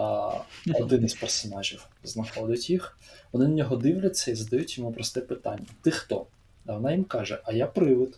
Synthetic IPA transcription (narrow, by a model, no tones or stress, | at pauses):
ɔd̪ɪnɪzpɛrsɔnɑʒʲiwznɐxɔd̪ɪtʲjixʋɔnɪnɐnʲɔɦɔd̪ɪwlʲɐt͡sʲːɐizɐd̪ɐjutʲjɔmupɾɔst̪ɛpɪt̪ɑ̰nʲːɐt̪ɪxt̪ɔ | ɐʋɔnɑjimkɑʒɛʔɐjapɾɪʋɪd̪